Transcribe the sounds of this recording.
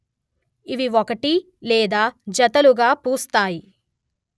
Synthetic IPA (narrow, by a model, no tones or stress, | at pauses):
iʋiɔkɐʈi | lɛːd̪aːd͡ʒɐt̪ɐluɡaːpuːst̪aːji